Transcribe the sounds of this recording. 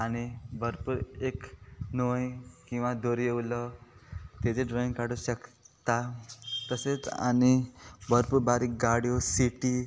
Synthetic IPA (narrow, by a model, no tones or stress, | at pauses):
añibəɾpuːɾeknojkĩw̃ʋad̪oɾjewlɔ | t̪ed͡zeɖɾɔĩŋkaɽuɕək | t̪at̪əset͡sa̰ñibəɾpuːɾbaɾikɡaɽijosiʈi